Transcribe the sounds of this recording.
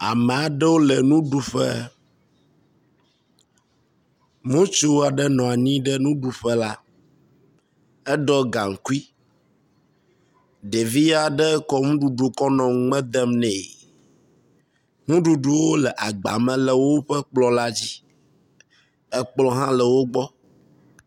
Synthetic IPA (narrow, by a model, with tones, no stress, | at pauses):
a̰˨mɛ̃˨a˨ɖɛ˦wo˦lɛ˨nũ˦ɖu˦ɸɛ̰˦ | mõ˦t͡ʃu˦wa˨ɖɛ˦nɔ̃˨a˨ɲĩ˦ɖɛ˦nũ˦ɖu˨ɸɛ˦la˦ | ɛ˦ɖɔ˦ɡa˨ŋ̩˨ku˦i˦ | ɖe˨vi˦a˨ɖɛ˦kɔ˦ŋũ˦ɖu˨ɖu˨kɔ˦nɔ̃˨˦ŋ͡mɛ̃˦d̪ɛ˦mnɛ̃˨ | ŋũ˦ɖu˨ɖu˨wo˦lɛ˨ʔa˨ɡ͡ba̰˨mɛ̃˨lɛ˨wo˦ɸɛ˦k͡plɔ˨la˦d͡ʑi˦ | ɛ˦k͡plɔ˦ɦã˦lɛ˨wo˦ɡ͡bɔ˦